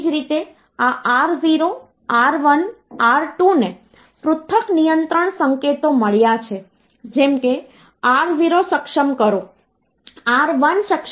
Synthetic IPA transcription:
d͡ʒɾit̪e | aʔaɾziɾo | aɾʋənaɾʈune | pɾʊt̪ʰːəknijənt̪ɾəɳsəŋket̪oməɭjat͡ʃʰe | d͡ʒɛmke | aɾziɾoʃəkʃəmkəɾo | aɾʋənʃəkʃ

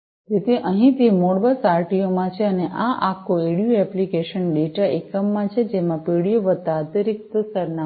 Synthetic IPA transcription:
d͡ʒet̪ʰiʔəɦĩt̪imoɽbəsaɾʈijomãt͡ʃʰeəneʔaʔakʰoeɽjuɛplikeʃənɖeʈaekːəmːãt͡ʃʰed͡ʒemãpeɽijoʋət̪ːat̪əɾik̚t̪əsəɾna

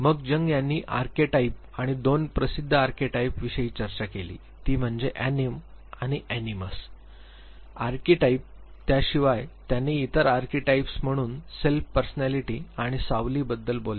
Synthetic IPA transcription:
məɡd͡ʑəŋɡjanːiːʔa̰ɾkeʈaip̚ | aɽ̃id̪onpɾəsid̪ʱːəaɾkeʈaipʋiɕəiːt͡ɕəɾt͡ɕakelḭː | t̪iːm̤əɳd͡zeʔænim | aɽ̃iʔæniməs | aɾkeʈaip̚ | t̪jaɕiʋajt̪janːiːt̪əɾaɾkeʈaipsm̤əɽ̃uːnselfpəɾsənæliʈiːaɽ̃isaʋliːbəd̪ːəlbola

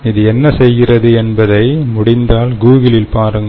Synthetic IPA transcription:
ɪðɯɛnːɐsɛjɣɪrɐðɯɛnbɐðɐɪmʊɽɪnd̪aːlɡuːɣɪlɪlpaːɾɯŋɡ

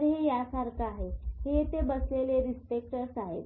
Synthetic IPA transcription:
ɾɦejasaɾkaːɦeɦet̪ebəsleleɾispek̚ʈəɾsaɦḛt̪

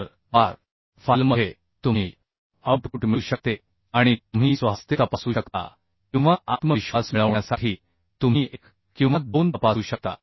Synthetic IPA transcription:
ɾ | baɾ | falməɦe | t̪um̤iː | əʈɡuʈmiuɕək̚t̪e | aɽ̃it̪um̤iːsʋast̪ʰjet̪apəsuːɕəkt̪a̰ | kĩw̃ʋaʔat̪məɕasmiɭəʋɳjasaʈʰiː | t̪um̤iːʔek | kĩw̃ʋat̪̚bond̪əpauːɕək̚t̪a̰

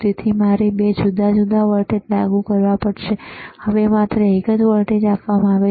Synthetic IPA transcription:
t̪it̪ʰimaɾebed͡ʒud̪ʱad͡ʒud̪ʱaʋəɾʈet̪laɡukəɾʋapəɽʃehəʋemat̪ɾəɦɪkəd͡ʒʋəɾʈed͡ʒapʋamãaʋe

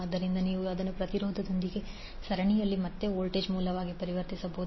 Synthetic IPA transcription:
ɐd̪ːɐɾind̪ɐniːʋuɐd̪ɐnːupɾɐt̪iɾoːd̪ʱɐd̪o̞nd̪iɡe̞ | sɐɾɐɳijɐlːimɐt̪ːe̞oːlʈeːd͡ʒmuːlːɐʋaːɡipɐɾiʋɐɾt̪isɐboː

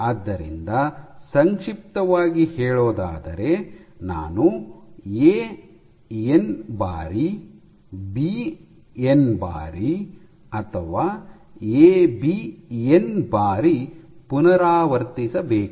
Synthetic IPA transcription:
aːd̪ːɐɾḭnd̪ɐsɐŋkʂip̚t̪ɐʋaːɡihɛːɭoːd̪a̰ːd̪ɐ̰ɾe̞na̰ːnu | eː | enba̰ːɾi | bi | enba̰ːɾi | ɐt̪ʰɐʋaː | eːbienbaːɾipunɐɾaːʋɐɾt̪isɐbeːku

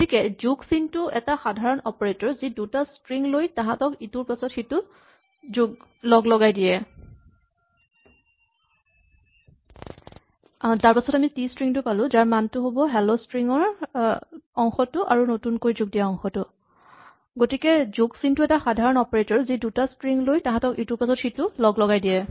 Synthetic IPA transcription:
ɡotikɛzuɡsintʊɛtaxadʱaɹɔnɔpɔɹetɔɹzidutastɹiŋlojtãɦãtɔkituɹpasɔtxitʊ | zuɡlɔɡlɔɡajdijɛ | taɹpasɔtamitistɹiŋtʊpalʊ̃zaɹmantʊɦobɔɦɛlostɹiŋɔɹ | ɔŋxɔtʊʔaɹunotunkoɹizuɡ̚dijaɔŋxɔtʊ | ɡotikɛzuɡsintʊɛtaxadʱaɹɔnɔpeɹetɔɹzidutastɹiŋlojtãɦãtɔkituɹpasɔtxitʊlɔɡlɔɡajdijɛ

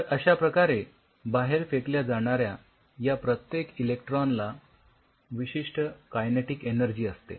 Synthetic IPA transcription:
əəɕapɾəkaɾe | baɦeɾfekljad͡zaɽ̃aɾja | japɾət̪jekilek̚ʈɾonla | ʋiɕiʂʈəkajneʈikenəɾd͡ʑiːəst̪ḛ

